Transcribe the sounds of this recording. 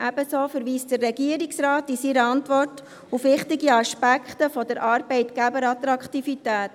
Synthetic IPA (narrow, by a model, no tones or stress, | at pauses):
ʔæb̥əsoːfəɾʋiːstd̥ərːɛɡiəɾiksrɑːtisiɾəɑntʋɔrt | ufʋɪχtɪɡiɑʃpækχtəfɔdəɾʔɑɾbɛɪtɡæbəɾɑt̪ɾɑkχtifitæːt